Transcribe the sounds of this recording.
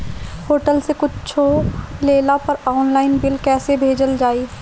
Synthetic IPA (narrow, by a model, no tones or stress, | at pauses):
hoːʈəlsekʊt͡ʃt͡ʃʰoleːlapɐɾɔːnlaːɪnbɪlkɛːsebʱeːd͡ʒəld͡ʒaːiː